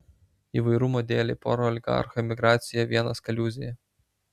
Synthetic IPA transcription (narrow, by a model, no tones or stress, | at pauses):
iʋɐɪɾuːmod̪ʲeːlʲɛɪpoːɾoɐlʲɪɡɑ̰ɐ̰ɾxɔɛmʲɪɡɾɑːt̪ʲsʲɪjɛʋʲiɛnɐskɐlʲuːzʲɪjɛ